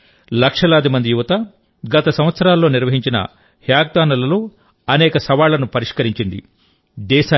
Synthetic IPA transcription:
lɐkʂɐlaːd̪imɐnd̪ijuʋɐt̪ɐ | ɡɐt̪ɐsɐmʋɐt̪sɐɾaːlːo̞ːniɾʋɐɦiɲt͡ʃinɐ̰ | hjaːɡ̚d̪aːnɐlɐlo | ɐnɛːkɐsɐʋaːlːɐnupɐɾiʂkɐɾiɲt͡ʃind̪ḭ | d̪ɛːʃaː

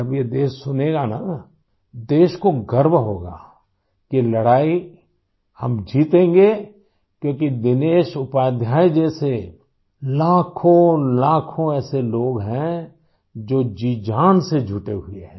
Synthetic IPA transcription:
ɐbjed̪eːʃsʊneːɡana | d̪eːʃkoɡəɾbɦoːɡa̰ː | kilɐɽaːi | hɐ̰md͡ʒiːt̪ẽːŋɡe | kjõːkid̪ɪneːʃʊpaːd̪ʱjaːid͡ʒɛːse | laːkʰõlaːkʰõɛːseloːɡɦɛ̃ | d͡ʒoːd͡ʒiːd͡ʒaːnsed͡ʒʱʊʈeɦʊeɦɛ̃ː

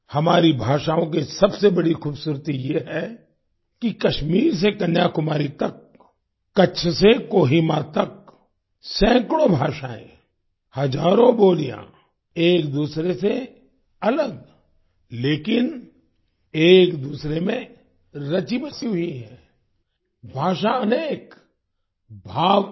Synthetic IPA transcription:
hɐmaːɾibʱaːʃaːõk̬isɐbsebɐɽixuːbsuːɾt̪ijeɦɛ | kikɐʃmiːɾs̬ekɐnjaːkʊmaːɾit̪ɐkː | ɐt͡ʃʰsekoːɦimat̪ɐk | sɛ̃ːkɽ̃õbʱaːʃaːḛ̃ | hɐd͡ʒaːɾõboːlijã̰ | eːkd̪uːsɾese | ɐləɡ̚ | leːkɪn | eːkd̪uːsɾemẽ | ɾɐt͡ʃiməsiɦʊiɦɛ̰̃ː | bʱaːʃaɐneːk | bʱaːʋ

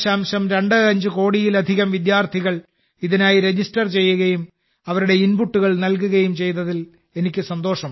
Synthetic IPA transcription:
ɕaːmɕɐmɾeɳɖɨɐɲd͡ʑɨko̞ːɽijilɐd̪ʱiɣɐmʋid̪jaːrt̪ʰiɣɐɭ | iðinaːjiɾe̞d͡ʑisʈɐrt͡ɕe̞jːuɣɐjum | ɐʋɐɾuɽe̞inbuʈːuɣɐɭnɐlk̬uɣɐjumt͡ɕe̞jt̪ɐðil | e̞nikʲːɨsɐnd̪o̞ːʂɐm

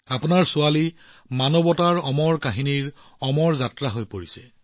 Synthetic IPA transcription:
apunaɹsʊali | manɔbɔtaɹɔmɔɹkaɦiniɹ | ɔmɔɹzatɹaɦojpoɹisɛ

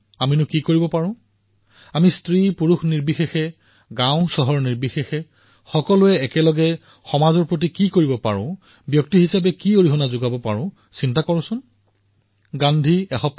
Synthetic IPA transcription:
aminʊkikoɹibɔpaɹʊ̃ | amistɹipuɹuxniɹbixexɛ | ɡãʊ̃sɔɦɔɹniɹbixexɛ | xɔkɔlʊɛːkɛlɔɡɛ | xɔmazɔɹpɹot̬ikikoɹibɔpa̰ɹʊ̃ | bjɔk̚tiɦisapɛkioɹiɦɔnazʊɡabɔpaɹʊ̃ | sintakɔɹʊ̃sʊn | ɡandʱiɛxɔp

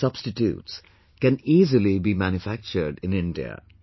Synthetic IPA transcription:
sʌb̥sʈɪʈjṵːʈs | kɛ̃niːzəlibiːmæ̃njʊfæk̚t͡ʃəɾɖɪ̃nɪ̃nɖḭə̰

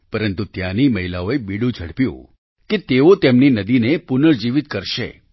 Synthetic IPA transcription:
pəɾənt̪ut̪janiməɦilaoebiɽũd͡ʒʱəɽpjṵ̃ | ket̪eot̪emninəd̪inepunəɾd͡ʒiʋit̪kəɾʃḛ

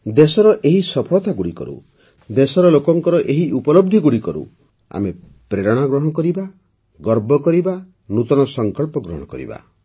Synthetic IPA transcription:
d̪esɔɾɔʔeɦisɔpʰɔɭɔt̪aɡuɽikɔ̰ɾṵ | d̪esɔɾɔlokɔŋkɔɾɔʔeɦiʔupɔlɔb̚d̪ʱiɡuɽikɔɾṵ | a̰me | pɾeɾɔɽ̃aɡɾɔɦɔkɔɾiba | ɡɔɾbɔkɔɾiba | nut̪ɔñɔsɔŋkɔɭpɔɡɾɔ̰ɽ̃ɔkɔ̰ɾḭba̰

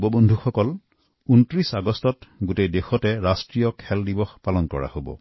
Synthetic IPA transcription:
bɔbɔndʱuxɔkɔl | untɹisaɡɔstɔtɡutejdexɔtɛɹastɹijɔkʰɛldibɔxpalɔnkɔɹa̰hobɔ̰

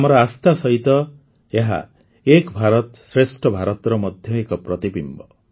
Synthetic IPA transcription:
mɔɾɔast̪asɔɦit̪ɔ | eɦa̰ | ekbʱaɾɔt̪sɾesʈʰɔbʱaɾɔt̪ɾɔmɔd̪ʱjɔekɔpɾɔt̪ibimbɔ

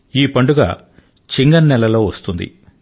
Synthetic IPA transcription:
iːpɐɳɖuɡa̰ː | t͡ʃiŋɡɐnːɛlːɐlo̞ːʋɐst̪und̪ḭ

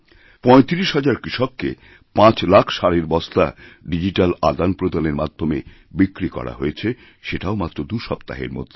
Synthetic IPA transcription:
pɔet̪iɾiʃɦad͡ʑaɾkɾiʃɔkːḛ | pãt͡ɕlakʰʃaɾeɾbɔst̪a̰ɖid͡ʑiʈalad̪anpɾod̪aneɾmad̪ʱːome | bikːɾikɔ̰ɾa̰ɦojet͡ɕʰe | ʃeʈaomat̪ːɾod̪uʃɔpt̪aɦḛɾmo̰d̪ʱː

